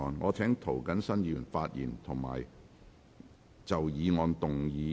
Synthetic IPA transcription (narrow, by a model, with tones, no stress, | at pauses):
ɔː˨nŋɔː˨˧t͡sʰɛː˨˥ŋt̪ʰo˨˩wkɐ˨˥nsɐ˥njiː˧jyː˨˩nfaː˧t̚jḭː˨˩nt̪ʰʊ˨˩ŋma̰ː˨˩j | t͡sɐ˨wjiː˨˧ŋɔː˨˧nt̪ʊ˨˩ŋjiː˨˧